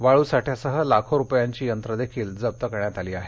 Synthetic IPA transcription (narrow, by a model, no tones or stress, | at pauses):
ʋaɭuːsaʈʰjasəɦəlakʰoɾupjaɲt͡ɕiːjənt̪ɾəd̪ekʰiːld͡zəb̚t̪əkəɾɳjat̪aliːaɦe